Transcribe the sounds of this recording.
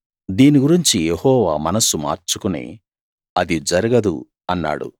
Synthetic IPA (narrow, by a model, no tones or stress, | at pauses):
d̪iːniɡuɾiɲt͡ʃijehɔːʋaːmɐnɐsuma̰ːɾt͡ʃukunḛː | ɐd̪id͡ʒɐɾiɡɐd̪ṵ | ɐnːa̰ːɽṵ